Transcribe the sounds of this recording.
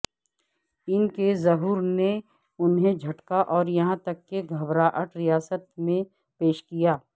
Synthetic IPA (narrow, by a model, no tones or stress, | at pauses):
ɪnkezɐɦuːɾne | ʊnɦẽd͡ʒʱɐʈkaʔɔːɾjɐɦãt̪ɐkːeɡʱɐbɾaːʔəʈɾijaːsət̪mẽ | peːʃkijaː